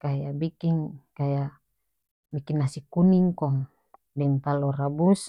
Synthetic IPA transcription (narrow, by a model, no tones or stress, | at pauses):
kajabikiŋkaja | bikinːasikuniŋkɔŋ | dɛŋt̪alɔrabus